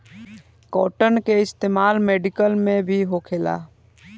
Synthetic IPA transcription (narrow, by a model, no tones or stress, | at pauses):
kɔʈənkeɪst̪eːmaːlmeɖikəlmẽbʱiɦokʰela̰